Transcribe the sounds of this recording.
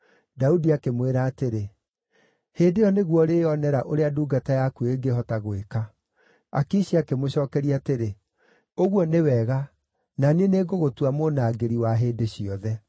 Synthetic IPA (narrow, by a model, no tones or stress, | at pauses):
daudiakemweɾaːteɾe | heːdejɔneɣwɔɾeɔnɛɾaʔoɾeaduːɡatajakueɡeɦɔtaɣoeka | a̰kiɕiakemoɕɔːkɛɾiateɾe | oɣwɔnewɛɣa | naneneɡoɣotwamonaːɡeɾiwaɦeːdeɕiɔðɛ